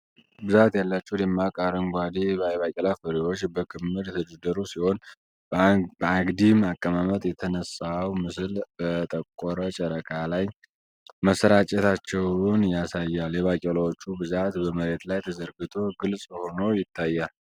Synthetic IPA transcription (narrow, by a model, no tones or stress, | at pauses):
bɨzat̪jalːat͡ʃːɛhwd̪ɛmːakʼaɾəŋɡʷad̪ibəjβakʲʼɛlafəɾiwo̞t͡ʃːbəkʰɨmːɨɾjɛt̪ʰəd͡ʒɛd̪əɾusiho̞n | bəaɡd̪imakʼːəmamət̪jɛt̪ʰənəsawmɨsɨlbət̪ʼəkʼoɾət͡ʃʼəɾəkʼalaj | məsəɾat͡ʃʼɛt̪ʰat͡ʃːɛwnjasajːaljɛβakʼɛlawot͡ʃːubɨzat̪bəməɾe̞t̪lajt̪ʰəzəɾɡɨt̪ʰo̞ɡɨlsʼhonəwjɪt̪ʰːajːal